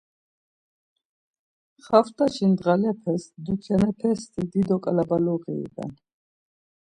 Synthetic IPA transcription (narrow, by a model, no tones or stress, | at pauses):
χaft̪ʼaʃind̪ʁalɛpʰɛsd̪ukʰanɛpʰɛst̪ʰid̪id̪ɔkʼalabalɔʁḭːd̪a̰n